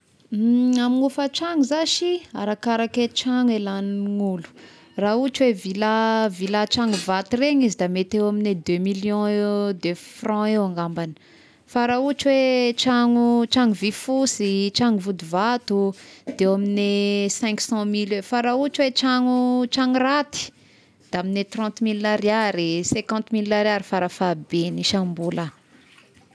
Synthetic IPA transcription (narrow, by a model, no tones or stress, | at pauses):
amiŋufət͡ʃaŋuzaʃia̰ɾakaɾaket͡ʃaŋelanŋulu̥ | raut͡ʃwevilavilat͡ʃaŋuvat̪ureɲizid̪amet̪ewamined̪ømiljɔ̃ed̪øfrɑ̃ewãŋɡambani̥ | faɾaut͡ʃuwet͡ʃaŋut͡ʃaŋuvifusit͡ʃaŋuvud̪uvat̪ud̪ewaminesɛ̃ŋksɑ̃milwefaɾaut͡ʃwet͡ʃaŋut͡ʃaŋurat̪i̥ | d̪̥aaminet̪rɑ̃t̪milːaɾiaɾisɛ̃kɑ̃nt̪milːaɾiaɾifaɾafabeniʃambula